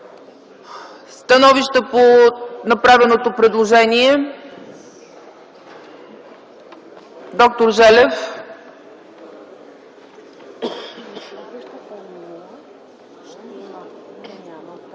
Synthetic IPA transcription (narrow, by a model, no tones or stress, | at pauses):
st̪ɐnɔviʃt̪əponɐpɾavɛnot̪opɾɛd̪lˠoʒɛniɛ | d̪ɔk̚t̪oɾʒɛlɛf